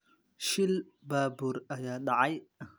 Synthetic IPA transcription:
ʃɪl | baːbuːɾɐjaːɖɑʕɑj

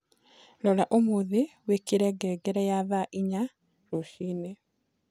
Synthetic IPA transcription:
lɔlaʔomoðewekiɾɛɡɛːɡɛɾɛjaðaʔiɲa | ɾoʃiːne

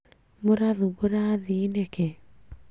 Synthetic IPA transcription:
moɾaðuβoɾaːðineke

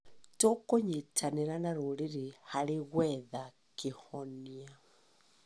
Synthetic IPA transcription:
tokoɲitʰaneɾanaɾoleɾehaɾeɣwɛða | kehɔnia

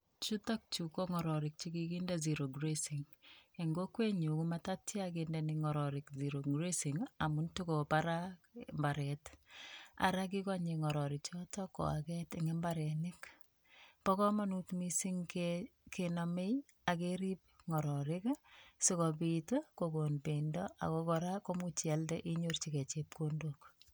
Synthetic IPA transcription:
t͡ʃutak̚t͡ʃukoŋɔɾɔɾɪk̚t͡ʃikikindaziɾoɡɾesiŋ | eŋɡokweɲukumatatjakendɛnɪŋɔɾɔɾɪkziɾoɡɾesiŋamuntukopaɾambaɾɛt | a̰ɾak̬ikwaɲeŋɔɾɔɾɪkt͡ʃɔtɔkɔ̰a̰kɛtɪŋɛmbaɾɛnɪk | pɔkɔmanutmisiŋkekʰenamej | akeɾip̚ŋɔɾɔɾɪksɪkɔpitokokonpendɔa̰kɔkɔɾakomut͡ʃaldɛʔiɲort͡ʃiket͡ʃep̚kondok

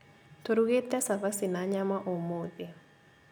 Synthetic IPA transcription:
t̪oɾuɡet̪ɛsakasɪnaɲamaʔomode

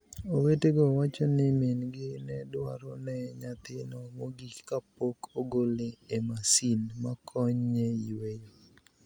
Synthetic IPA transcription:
oweteɡɔwat͡ʃɔnɪmenɡɪnɛdwa̰ɾɔnɛɲat̪ɪnɔmoɡikap̚okʰoɡolɪemasinmakʰɔɲɲeiwejo

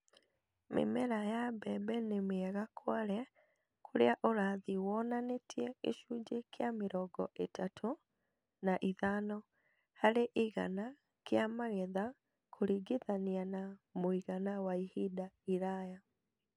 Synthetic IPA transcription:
mḛmɛɾajabɛbɛnemeɛɣakʰwaɾɛ | kʰoɾḛaʔoɾaðiwɔnanetʰjɛḛʃud͡ʒekjameɾɔɡɔʔetatʰo | naʔiðanɔ | haɾeʔiɣa̰na | keamaɣeða | kʰoɾiɡeðanianamoiɣanawaihidaiɾaja

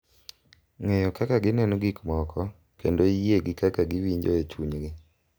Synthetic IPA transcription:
ŋɛjɔkakaɡɪnɛnɔɡikmɔkʰɔ | kendojeɡɪkakaɡɪwiɲd͡ʒoet͡ʃuɲɡɪ

